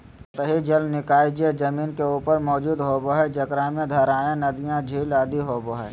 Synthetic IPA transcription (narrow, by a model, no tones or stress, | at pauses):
t̪əɦid͡ʒɐlnɪkaːid͡ʒied͡ʒɐmiːnkeuːpəɾmɔːd͡ʒuːd̪ɦoːboɦɛd͡ʒɐkɾãːmẽd̪ʱəɾaːẽnɐd̪ijãd͡ʒʱiːlaːd̪iɦoːboɦɛ